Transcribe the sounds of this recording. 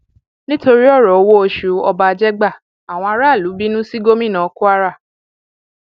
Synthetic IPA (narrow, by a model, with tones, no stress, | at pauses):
nĩ˦to˧ɾi˦ɔ˦˨ɾɔ˨o˧wo˦o˧ʃu˨ɔ˧ba˧d͡ʒɛ˦ɡ͡ba˦˨ | a˨w̃ɔ̃˧a˧ɾa˦˨lu˨˦bi˦nũ˦si˦ɡo˦mĩ˦˨nã˨˧˦ku˦a˦ɾa˦˨